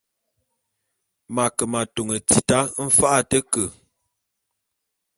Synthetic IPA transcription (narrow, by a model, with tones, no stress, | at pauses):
ma˨kə˨ma˨to˨ŋə˨t͡si˨ta˦m̩˦fa˦ʔa˦˨tə˦kə˨